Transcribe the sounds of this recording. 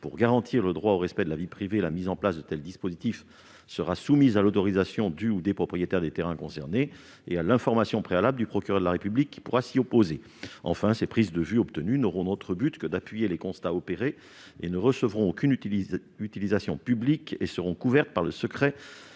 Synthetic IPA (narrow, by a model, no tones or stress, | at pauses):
puʁɡaʁɑ̃t̪ʰiʁləd̪ʁwaoʁɛspɛd̪əlavipχivelamizɑ̃plasd̪ət̪ɛld̪ispozit̪if | səʁasumizalot̪ɔʁizasjɔ̃d̪yud̪epχɔpχijet̪ɛʁd̪et̪eʁɛ̃kɔ̃sɛʁne | ealɛ̃fɔʁmasjɔ̃pχealabləd̪ypχɔkʲyʁœʁd̪əlaʁepyblikʲːi̥puʁasiɔpoze | ɑ̰̃fɛ̃sepχizd̪əvyɔpt̪ənynɔʁɔ̃not̪χəbyt̪kəd̪apɥijelekɔ̃st̪aɔpeʁe | enəʁəsəvʁɔ̃okʲyn | yt̪ilizasjɔ̃pyblikesəʁɔ̃kuvɛʁt̪̚paʁləsəkχɛ